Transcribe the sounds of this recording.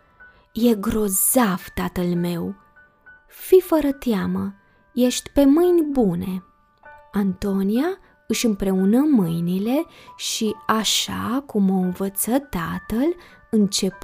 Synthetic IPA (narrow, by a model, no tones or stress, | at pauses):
je̞ɡɾo̞z̥av̥t̪at̪əlme̞w | fifəɾət̪eamə | je̞ʃt̪ʲpe̞mɨjnʲbune̞ | ant̪o̞nija | ɨʃɨmpɾe̞unəmɨjnile̞ʃiaʃa̰kumo̞ɨnvət̪sət̪at̪əl | ɨnt͡ʃe̞p